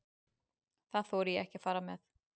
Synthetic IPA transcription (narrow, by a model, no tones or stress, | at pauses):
θaðθɔːwɾʏjɛɛhcɪafaːɾamɛθ